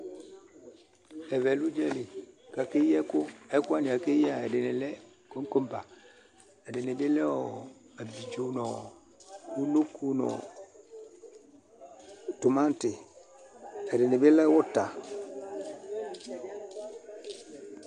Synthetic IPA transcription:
ɛ˨vɛ˨lu˦d͡ʒɛ˦lɪ˨ka˨kɪ˦jɛ˦kʊ˦ɛ˦kʊ˦a˦nɪ˨a˨kɪ˦ja˦˨ɛ˨dɪ˨nɪ˨lɛ˦ | ko˦ŋ˦ko˦m˦pa˨ | ɛ˨dɪ˨nɪ˨dɪ˦lɛ˦ɔ˨ | a˨bi˨d͡ʒo˨nɔ˨ | u˦lo˦ku˦nɔ̰˨ | tʊ˨mã˦n˦tɪ˨ | ɛ˨dɪ˨nɪ˨bɪ˦lɛ˦wʊ˦ta˨

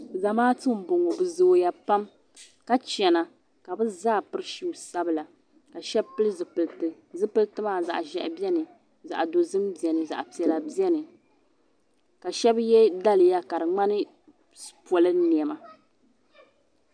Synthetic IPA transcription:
za˨maː˦tɨ˦m̩˨˦bo˨ŋo˨bɨ˨zoː˨ja˦pa˦m | ka˦t͡ʃɛ˨na˨ | ka˨bɨ˦zaː˦˨pɨ˦ɾɨ˦ʃi˦˨sa˦bɨ˦la˨ | ka˨ʃɛ˦bpɨ˦lɨ˦zɨ˨ɨ˨lɨ˨ | zɨ˦pɨ˦ltɨ˦maː˦˨za̰˨ʔʒɛ̰˨ʔbɛ˦nɨ˨ | za̰˨ʔdo˨zɨ˦mbi˨ɛ˨nɨ˨za̰˨ʔpi˨ɛ˨la˨bɛ˦nɨ˨ | ka˨ʃɛ˦bjɛ˦da˦lɨ˨ja˦ka˨ɾɨ˨ŋ͡ma˦nɨ˦ | pɔ˨lɨ˦ni˨ɛ˨ma˨

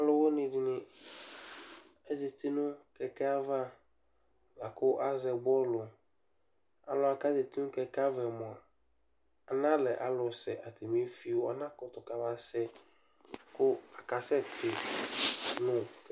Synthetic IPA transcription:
a˨lʊ˦wo˦nɪ̃˨dɪ˨nɪ̃˨ | e˦zi˨t̪ɪ˦nʊ̃˦kɛ˨kɛ˦a˦va˦ | la˨kʊ˦ʔa˦zɛ˨ɡ͡bɔ˦lʊ˨ | a˨lʊ˨˦a˨ka˦ze˨t̪ɪ˦nʊ̃˦kɛ˦ka˦vɛ˨mɔ̃˨a˨ | a˨nã˦lɛ˨ʔa˨lʊ˨sɛ˨ʔa˨t̪ʰe˨mĩ˦fi˦wo˨ɔ˨nã˦kʊ˨t̪ɔ˨ka˨va˨sɛ˦˨ | kʊ˦a˨ka˨sɛ˦t̪ɪ˨ | nʊ̃˦

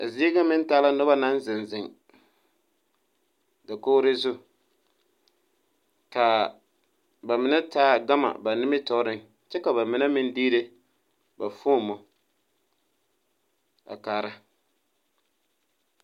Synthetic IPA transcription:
a̰˨zi˦e˦ɡa˦mɪ˦n˦taː˦la˦nʊ˦ba˦na˦n˦zɪ˨nzɪ˨ŋ | da˨koː˦ɾɪ˦zʊ˦ | ka˨ | ba˨mɪ˨na˦taː˦˨ɡa˦ma̰˨ba˨nɪ˦mɪ˦tɔ˦ɾɪ˦ŋ | t͡ʃɛ˦ka˨ba˨mɪ˨na˦mɪ˦ndiː˦ɾe˦ | ba˨foː˦˨mɔ˨ | a̰˨kaː˨ɾa˦

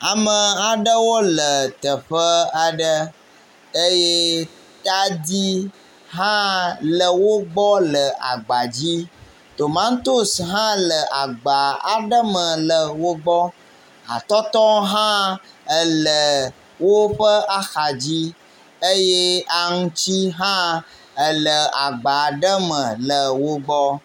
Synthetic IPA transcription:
a˨mə˨a˨ɖə˦wo˦lə˨t̪ə˨ɸə˦a˨ɖə˦ | ə˦jɛ˦ | t̪a˦d̪i˦ | ɦã˦lə˨wo˦ɡ͡bɔ˦lə˨a̰˨ɡ͡ba˨d͡ʑi˦ | t̪o˨mã˦ŋ˦t̪o˦sɦã˦lə˨ʔa˨ɡ͡ba˨a̰˨ɖə˦mə̃˨lə˨wo˦ɡ͡bɔ˦ | a̰˨t̪ɔ˦t̪ɔ˦ɦã˦ | ə˨lə˨ | wo˦ɸə˦a˦xa˨d͡ʑi˦ | ə˦je˦a˨ŋũ˦t͡ɕi˦ɦã˦ | ə˨lə˨a˨ɡ͡ba˨ɖə˦mə̃˨lə˨wo˦ɡ͡bɔ˦

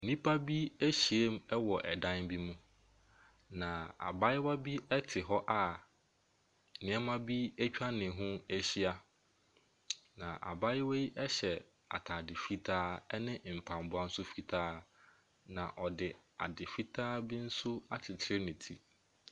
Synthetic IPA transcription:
n̩˨nĩ˦pʰa˦bi˦æ˦ɕi˨e˦mɛ˦wɔ˨ʔɛ˨dã˦nbi˦mũ˦ | nã˨a̰˨ba˦ɪ˦wa˦bi˦ɛ˦tʰɪ˨ɦɔ˦ʔa˨ | nɪ̃˨˦a˦mã˦bi˦æ˦t͡ɕᶣa˦nɪ̃˨ɦʊ̃˦æ˦ɕi˦a˦ | nã˨ʔa̰˨ba˦ɪ˦we˦i˦ʔɛ˦ɕɛ˨ | a̰˨tʰa˨dɪ˨fi˦tʰaː˦ɛ˦nɪ̃˦˨m̩˨pʰã˨m˨bʊ˦a˦n̩˦sʊ˦fi˦tʰaː˦ | nã˨ʔɔ˨dɪ˨a̰˨dɪ˨fi˦tʰaː˦bi˦n̩˦sʊ˦a˦t͡ɕʰɪ˨tʰɪ˨ɾe˦nɪ̃˨tʰi˦

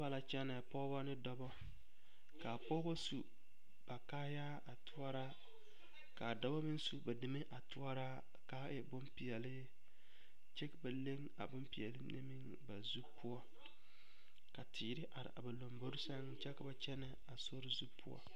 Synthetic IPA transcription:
ba˨la˨t͡ʃɛ˦nɛ˨pɔ˦ba˦nɪ˦dɔ˦bɔ˦ | ka˨pɔ˦bo˦su˨ | b̥a˨kaː˦jaː˦a˨tʰʊ˦ɔ˦ɾa˦ | ka˨dɔ˦bɔ˦mɪ˦nsu˨ba˨dɪ˨me˦ʔa˨tʊ˦ɔ˦ɾa˦ | kaː˦ɛ˦bʊ˦mpi˨ɛ˨lɪ˦ | t͡ʃɛ˦ka˨ba˨le˦ŋ | a̰˨bʊ˦mpi˨ɛ˨lɪ˦nʔḛ˦mi˦ŋ | ba˨zu˦pʰʊ˦ɔ˦ | ka˨tʰiː˨ɾɪ˦ʔa˨ɾɪ̰˨ʔa̰˨ba˨lo˨mbo˦ɾɪ˦sa˦ŋ˦t͡ʃɛ˦ka˨ba˨t͡ʃɛ˦nɛ˨ | a˨so˦ɾɪ˦zu˦pʰʊ˦ɔ̰˦

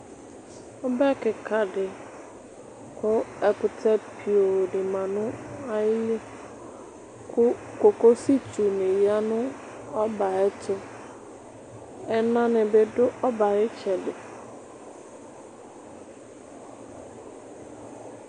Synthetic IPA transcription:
ʊ˦bɛ˦kɪ˨kʰa˨dɪ˨ | kʰʊ˦ɛ˨kʊ˨tʰɛ˦pʰi˨o˨dɪ˨mã˨nʊ̃˦a˦ɪ˦le˦ | kʰʊ˦ko˨ko˦si˦tu˨nɪ̃˨ja˦nʊ̃˦ | ɔ˦ba˨ɛ˦tʰʊ˦ | ɛ˦nã˦nɪ˨bɪ˦dʊ˦ʔɔ˦ba˨ɣɪ˦t͡ʃɛ˨dɪ˨

